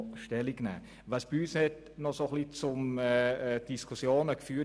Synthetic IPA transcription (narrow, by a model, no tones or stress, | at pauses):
ʃtɛliɡnɛ̰ː | ʋɑsb̥iyːshɛt | nɔsoχlit͡sʊmɛd̥iskʰusjoːnəkfyː